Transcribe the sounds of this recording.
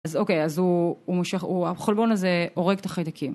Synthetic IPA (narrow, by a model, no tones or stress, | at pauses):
azo̞kejazuːmuʃeχuaχolbo̞naze̞o̞ʁeɡtaχajd̪akʰim